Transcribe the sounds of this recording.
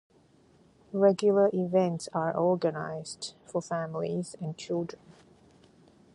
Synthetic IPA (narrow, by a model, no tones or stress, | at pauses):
ɹɛɡjʊlˠəʔivɛ̃nʈsaɹʔɔɹɡəna̰ɪz̥dfɔfæmɪlḭzæ̃n̚t͡ʃɪldɹə̃n